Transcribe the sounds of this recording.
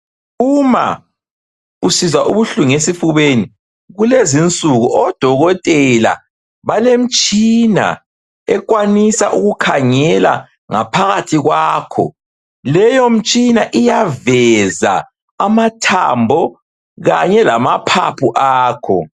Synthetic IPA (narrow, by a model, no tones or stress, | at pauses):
uma̰ | usizaʔuβuɬuŋesifuβeni | ɣulezint͡sʼuɣuʔɔd̥ʱɔɣɔtʼɛla̰ | βalem̩t͡ʃʼina̰ | ɛ̰kwanisaʔuɣukʰaŋɛla̰ | ŋapʰaɣatʰiɣwaːkʰɔ̰ | lɛjom̩t͡ʃʼinaʔijavɛza̰ | amatʰa̰mbʱɔ | ɣaɲɛlamapʰa̰pʰuʔaːkʰɔ̰